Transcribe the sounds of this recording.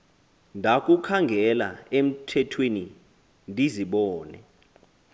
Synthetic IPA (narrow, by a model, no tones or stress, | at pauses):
ndʱak̬ʼukʰaŋɡʱɛla̰em̩tʰɛtʰweni | ndʱiziɓɔːnɛ̰